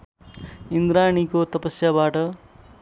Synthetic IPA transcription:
ind̪ɾañikot̪ʌpʌsjabaʈʌ

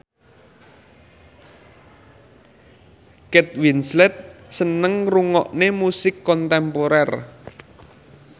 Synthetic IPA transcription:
kɛt̪̚winslɛt̪̚sənəŋruŋɔʔnemusɪkːɔnt̪ɛmpoɾɛr

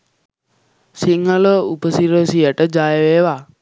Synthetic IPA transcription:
siŋələupəsiɾəsijəʈəd͡ʒajəʋeːʋa

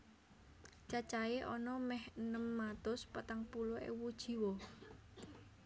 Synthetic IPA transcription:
t͡ʃat͡ʃaeʔɔnɔmɛhənəmːat̪ʊspat̪aŋpulʊḛwud̥ʒ̥i̤wo

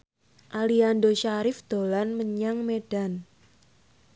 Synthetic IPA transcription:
ʔaliandoʃaɾɪfd̪̥o̤lanməɲaŋmeɖ̥a̤n

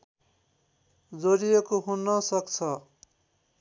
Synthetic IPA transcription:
d͡zoɾijekoɦunʌsʌkt͡sʰʌ

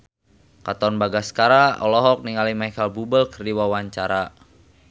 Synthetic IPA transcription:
kat̪ɔnbaɡaskaɾaɔ̰lɔɦɔk̚niŋalimaikalbubəlkərdiwawaɲt͡ʃaɾa

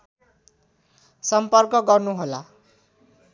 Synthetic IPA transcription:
sʌmpʌrkʌɡʌrnuɦola

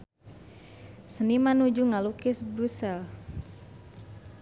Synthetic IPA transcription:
sənimanud͡ʒuŋalukɪsbɾusal

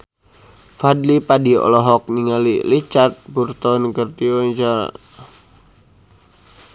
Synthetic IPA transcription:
fadlipadiɔ̰lɔɦɔk̚niŋalḭlit͡ʃat̪̚purt̪ɔnkərt̪iɔt͡ʃa̰

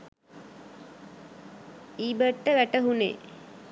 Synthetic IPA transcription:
iːbəʈːəʋæʈəɦunḛː

